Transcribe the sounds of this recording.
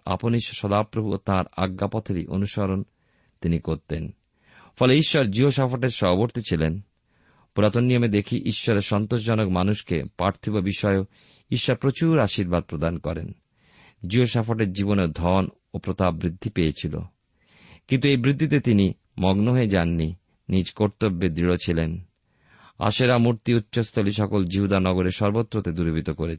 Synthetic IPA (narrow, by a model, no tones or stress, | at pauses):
a̰poniʃʃɔd̪apɾobʱuo̰t̪ãɾa̰ɡːapɔt̪ʰeɾḭʔo̰nuʃɔɾon | t̪inikoɾt̪en | fɔleiʃːɔɾd͡ʑiɦoʃafoʈeɾʃɔoboɾt̪it͡ɕʰilen | puɾat̪onːiomed̪ekʰiʔiʃːɔɾeʃɔnt̪oʃ̬d͡ʑɔnokmanuʃkḛpaɾt̪ʰibabiʃɔeo | iʃːɔɾpɾot͡ɕuɾaʃiɾbad̪̚pɾod̪ankɔɾḛn | d͡ʑioʃafoʈeɾd͡ʑiboned̪ʱɔn | opɾot̪abbːɾid̪ʱːipejet͡ɕʰilo̰ | kint̪uejbɾid̪ʱːit̪et̪ini | mɔɡnoɦoed͡ʑanːi | nid͡ʑkoɾt̪obːed̪ɾiɽot͡ɕʰilen | a̰ʃeɾamuɾt̪iutːɕost̪ʰoliʃɔkold͡ʑiɦud̪anɔɡoɾeʃɔɾbot̪ːɾot̪ed̪uɾbʱit̪okoɾe